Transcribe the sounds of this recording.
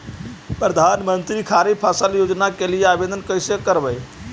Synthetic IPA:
pɾəd̪ʱanmənt̪ɾikʰaɾipʰasəljod͡ʒnakelijeabed̪ənkəjsekəɾbəj

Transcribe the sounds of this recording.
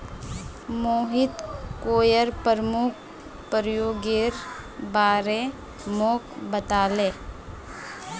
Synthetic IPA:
moːɦɪt̪koːjəɾpəɾəmʊk̚ʰ | pəɾjoːɡeɾ | baːɾe | moːkbət̪aːleː

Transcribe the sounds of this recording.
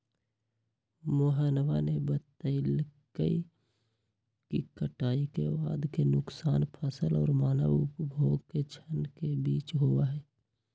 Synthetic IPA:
moːɦaːnʋanebət̪əɪlkəi | kikəʈaːikeba̰ːd̪kenʊksaːnpʰəsəlɔ̰ːɾmaːnəʋʊpbʱoːɡket͡ʃʰənkebiːt͡ʃɦowaɦɛː

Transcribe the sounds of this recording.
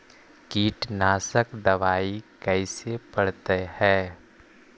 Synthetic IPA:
kiːʈnaːsəkd̪ɐʋaːikɛɪsepɐɽt̪ehɛː

